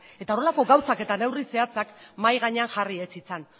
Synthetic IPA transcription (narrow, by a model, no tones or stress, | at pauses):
e̞t̪ao̞ɾe̞lako̞ɡawsake̞t̪ane̞wrise̞at͡sakmajɣaɲe̞anʝariet͡sit͡san